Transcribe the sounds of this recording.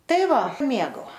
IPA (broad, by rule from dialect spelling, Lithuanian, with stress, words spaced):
ˈtɐɪ ˈʋɐ ˈmʲeːɡɐʊ